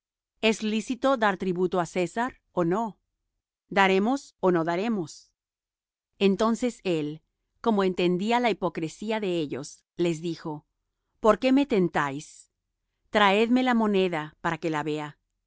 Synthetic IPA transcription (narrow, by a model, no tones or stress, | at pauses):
e̞slisit̪o̞ðaɾt̪ɾiβut̪o̞ase̞saɾ | ono̞ | d̪aɾe̞mo̞so̞no̞ðaɾe̞mo̞s | e̞nt̪o̞nse̞se̞l | ko̞mo̞e̞nt̪e̞nd̪ialaipo̞kɾesiaðe̞e̞ʝo̞̰s | le̞zðixo̞ | po̞ɾke̞me̞t̪e̞nt̪ajs | t̪ɾae̞ðme̞lamo̞ne̞ðapaɾake̞laβe̞a